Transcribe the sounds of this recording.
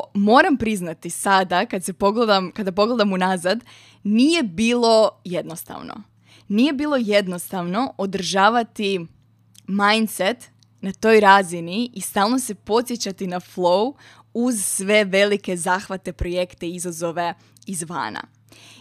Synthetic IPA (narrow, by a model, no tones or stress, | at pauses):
mo̞ːɾampɾiznat̪isad̪akad̪se̞po̞ɡled̪amkad̪ap̬o̞ɡle̞d̪amunazad̪ | nije̞biːlˠo̞je̞d̪no̞st̪a̰ʋno̰ | nije̞biːlˠo̞je̞d̪no̞st̪aʋno̞ʔod̪r̩ʒaːʋat̪i | majnt̪set̪ | nat̪o̞jɾaːziniːst̪aːlˠno̞se̞po̞t̪sjet͡ɕat̪inaflˠou | uzsʋe̞ʋe̞like̞zaːxʋat̪e̞pɾo̞je̞kt̪e̞izazo̞ʋe̞ | izʋa̰ːna̰